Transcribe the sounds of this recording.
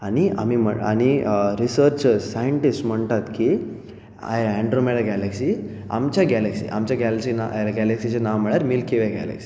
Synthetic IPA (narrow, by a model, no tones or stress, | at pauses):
ania̰mim̤əa̰ñiɾisəɾt͡ɕəzsajəɳʈisʈm̤əɳt̪at̪ki | a̰jeæɳɖɾomeɽaɡɛleksi | a̰mt͡ɕjaɡɛleksḭːʔa̰mt͡ɕjaɡæleksinaɡæleksit͡ɕenaʋm̤əɭaɾmilkiʋeɡɛ̰lḛksi̥